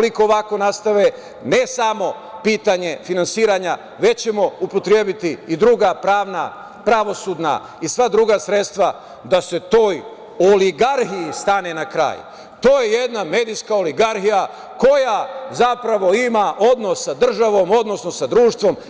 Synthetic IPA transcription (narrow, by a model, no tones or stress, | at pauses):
liko̞ːʋako̞nast̪aʋe̞ | ne̞samo̞ | piːt̪aɲe̞finansiːɾaːɲa | ʋe̞t͡ɕemo̞upo̞t̪ɾjeːbit̪iːd̪ɾuɡapɾaːʋna̰ | pɾaʋo̞suːd̪na̰ | isʋad̪ɾuɡasɾe̞t̪st̪ʋa | d̪ase̞t̪o̞ːj | oliɡaɾhiist̪ane̞nakɾa̰ːj | t̪o̞ːjejed̪name̞ːd̪ijskaoliɡaɾhija | ko̞jazapɾaʋo̞imaʔo̞d̪no̞sːad̪r̩ʒaʋo̞mo̞d̪no̞sno̞sad̪ɾuːʃt̪ʋo̞m